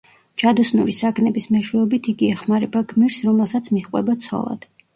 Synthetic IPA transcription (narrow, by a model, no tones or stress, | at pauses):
t͡ʃʰad̪ɔsnṵɾisaɡʰnɛbismɛʃwɛɔbit̪ʰiɡiɛχmaɾɛbaɡmiɾsɾɔmɛlˠsat̪sʰmiχʼwɛ̰bat̪sʰɔ̰lˠa̰d̪̥